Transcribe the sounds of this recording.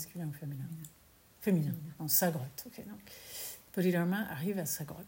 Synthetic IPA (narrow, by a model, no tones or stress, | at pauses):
skʲylɛ̃ofeminɛ̃ | feminɛ̃ɑ̃saɡʁɔt̪ɔkʲʰed̪ɔ̃kpɔlid̪ɔʁmɛ̃ʔaʁivasaɡʁɔt̪